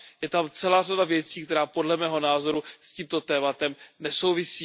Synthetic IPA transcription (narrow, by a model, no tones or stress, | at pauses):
jɛt̪amt͡sɛlaːradavjɛt͡siːkt̪ɛɾaːpo̞dlɛmɛːɦo̞naːzo̞ɾusciːmt̪o̞t̪ɛːmat̪ɛmnɛso̞wvɪsiː